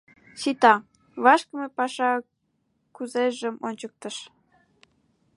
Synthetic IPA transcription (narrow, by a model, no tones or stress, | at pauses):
ɕit̪ɑ | βɑʃkəmepɑʃɑ | kuzeʒəmonʲt͡ɕək̚t̪əʃ